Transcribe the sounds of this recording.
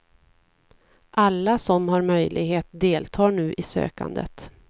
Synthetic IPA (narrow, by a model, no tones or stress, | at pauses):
ʔalːasɔmhaɾmœjlʔɪɡheːt̪̚d̪eːlt̪ʰɑːɳʉ̟ːʔɪsø̰ːka̰nd̪ə̰t̪